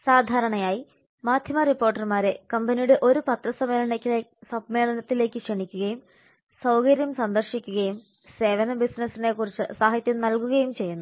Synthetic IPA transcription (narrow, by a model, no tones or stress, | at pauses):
saːd̪ʱaːɾɐɳɐjaːji | maːd̪ʱjɐmɐripːo̞ːrʈːɐrmaːɾekɐmbenijuɽe̞ʔo̞ɾupɐt̪rɐsɐme̞ːlɐnekʲːɨesɐbme̞ːlɐnɐt̪ːile̞ːkːɨʂeɳikʲːuɣɐjum | sɐwkɐɾjɐmsɐnd̪ɐrʂikʲːuɣɐjum | se̞ːʋɐnɐbisnɐsine̞kːurit͡ɕːɨsaːɦɐt̪jɐmnɐlkuɣɐjumt͡ɕe̞jːunːu